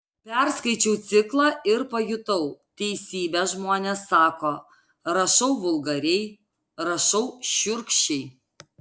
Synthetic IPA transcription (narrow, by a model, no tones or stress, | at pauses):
pʲɛɾskɐɪt͡ʃʲɛʊt̪sʲɪklˠɑːʔɪɾpɐjʊt̪ɐʊt̪ʲɛɪsʲiːbʲɛʒmoːnʲesːɑːkoː | ɾɐʃɐʊʋʊlˠɡɐɾʲɛɪ | ɾɐʃɐʊʃʲʊɾkʃʲɛɪ